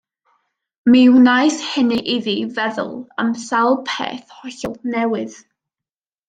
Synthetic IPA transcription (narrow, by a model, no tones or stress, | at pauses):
mɪwnajshɪniʔiðiːvɛðʊ̰lˠə̰msalˠpʰḛːθhɔɬɔlˠnɛwɪð̥